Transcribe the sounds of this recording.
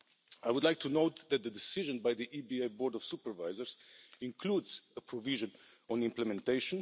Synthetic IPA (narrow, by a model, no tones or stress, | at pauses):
aɪwʊd̪laɪk̚tʰunoʊt̪ðɛt̪̚ðədɪsɪʒə̃nbajðiʔibieɪbɔɹdɔv̥supəɹvaɪzəɹz̥ɪ̃nkʰluːdzəpʰɹɔvɪʒə̃n | ɔ̃nɪ̃mpləmɛ̃nt̪eɪʃə̃n